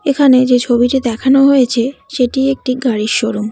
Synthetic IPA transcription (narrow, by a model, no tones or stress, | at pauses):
ekʰaned͡ʑet͡ɕʰobiʈid̪ɛkʰanoɦojet͡ɕʰeʃeʈiek̚ʈiɡaɽiʃoɾum